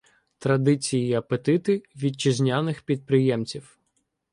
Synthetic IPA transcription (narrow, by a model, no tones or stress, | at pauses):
t̪ɾɐd̪ɪt͡sʲijiɐpet̪ɪt̪ɪʋʲid̚t͡ʃɪzʲnʲanɪxpʲid̪̚pɾɪjɛmt͡sʲiw